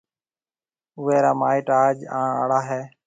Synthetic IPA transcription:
ʊʋeːɾaːmaːiːʈaːd͡ʒãːɳə̰ɽaːɦeː

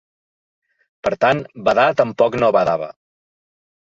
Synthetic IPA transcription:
pəɾt̪anbəðat̪əmpɔknoβaðaβə̰

